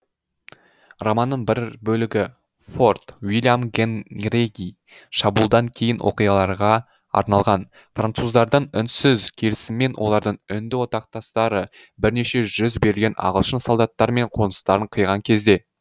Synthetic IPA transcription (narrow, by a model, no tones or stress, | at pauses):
romɑnːəɴbɪɾbɵlɪɡʲɪ | fo̞rt̪wilʲjamɡʲenreɡʲij | ʃɑbulˠd̪ɑŋkʲʰe̞jɪnwʔo̞̰qijɑlˠɑɾʁɑ | ɑ̰ɾnɑlˠʁɑn | frant̪suzd̪ɑɾd̪əɴʏnsɪzkʲʰe̞lɪsɪmːe̞nwʔo̞lˠɑɾd̪əɴʏnd̪ɪwo̞t̪ɑq̚t̪ɑst̪ɑɾə | bɪɾne̞ʃe̞ʒʏzbe̞ɾɪlɡʲe̞nɑ̰ʁəlˠʃənsolˠd̪ɑt̪ːɑɾme̞ɴqʰo̞nəst̪ɑɾəɴqʰəjʁɑŋkʲʰe̞zd̪e̞